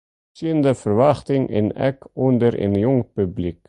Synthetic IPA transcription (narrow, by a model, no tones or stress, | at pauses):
siənd̪əfərvaχt̪ɪŋʔɪ̰nɛ̰kɔnd̪əɾḛnjɔŋpyblik